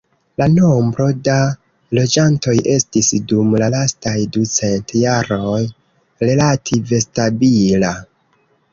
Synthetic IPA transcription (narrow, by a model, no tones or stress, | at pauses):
lano̞mbɾo̞da | lo̞d͡ʒanto̞jʔe̞stisdumlalastajdut͡se̞ntjaɾo̞j | ɾe̞latʰive̞stabila